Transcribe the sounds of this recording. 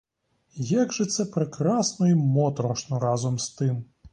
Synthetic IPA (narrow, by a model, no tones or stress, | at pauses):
jaɡʒɛt̪sɛpɾekɾɑsnɔimɔt̪ɾɔʂnɔɾɑzɔmst̪ɪm